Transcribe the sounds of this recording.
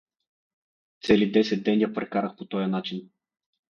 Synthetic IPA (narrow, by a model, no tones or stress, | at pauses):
t̪sɛlid̪ɛsɛt̪̚d̪ɛnjapɾɛkaɾɐxpot̪ɔjɐnat͡ʃin